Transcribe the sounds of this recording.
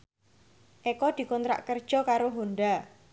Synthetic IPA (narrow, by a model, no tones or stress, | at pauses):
ʔekɔd̪̥i̤kɔnt̪ɾa̰ʔkərd̥ʒ̥ɔ̤kaɾoɦonɖ̪a